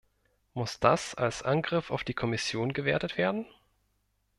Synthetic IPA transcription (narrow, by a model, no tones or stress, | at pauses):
mʊsd̥asalsʔanɡʁɪfa̰ʊfd̥iːkʰɔmɪsjoːnɡəveːɐtətv̥eːɐdn̩